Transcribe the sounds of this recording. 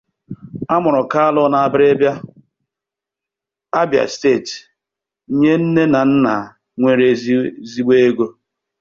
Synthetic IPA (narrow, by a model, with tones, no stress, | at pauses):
a˦mʊ˨ɾʊ˨ka˦a˦lʊ˦na˨a˨bɪ˦ɾe˦bja˦ | a˦bja̰˨ste˦˨t̩˨ | ɲe˦n̩˦ne˦na˨n̩˦na˨ | ŋʷe˨ɾe˦zi˦ɡ͡be˦e˦ɡo˦